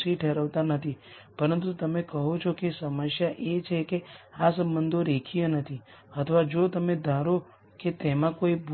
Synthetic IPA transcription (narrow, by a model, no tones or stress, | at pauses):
siʈʰeɾəʋt̪anət̪ʰipəɾənt̪ut̪əmekəɦot͡ʃʰokesəməʃjaʔet͡ʃʰekeasəmːənd̪ʱoɾekʰijənət̪ʰi | ət̪ʰəʋad͡ʒot̪əmed̪ʱãɾo | ket̪emãkoib